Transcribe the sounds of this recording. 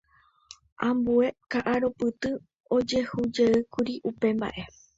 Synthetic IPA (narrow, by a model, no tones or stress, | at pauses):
ʔãmbue̞kaʔaɾo̞pɨt̪ɨ | o̞d͡ʒe̞hud͡ʒeɨkuɾiʔupe̞mba̰ʔe̞